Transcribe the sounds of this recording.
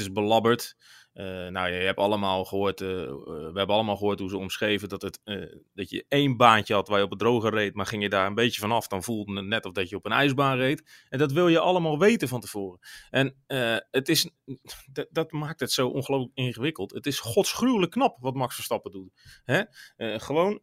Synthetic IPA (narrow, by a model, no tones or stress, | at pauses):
tɪsbəlɑbərtənawjəjɛpɑlˠəmaːlˠxəoːt | ʋəɦɛbəɑlˠəmaːlˠχəɦoːtɦuzəɔmsχejvədɔtətdɔtjə̰ejnbaːncəhɑtʋarjəɔpbədrowɣərejtmarχɪŋjədaːɹənbejtjəvɔnɑfd̥ɔnvulˠdənənɛtɔfdɔtjəɔpənɛjzbaːnrejtɛndɔt̬ʋɪlˠjəʔɑlˠəmaːlˠʋejtənfɔntəv̥oːrəɛnəətɪs | dɔtmaːk̚tətsowʔo̰nχəlowfləkɪχəʋɪkəlˠtətɪsχɔtsχrywləkːnɑpʋɔtmɑksfəstɑpəduthɛəχəʋown